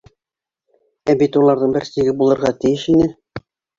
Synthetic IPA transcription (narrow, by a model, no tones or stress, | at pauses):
æbit̪ulˠɑɾðɤɴbɘɾst̪iɡɘbulˠɤ̆ɾʁɑt̪ɘ̆jɘʃinɘ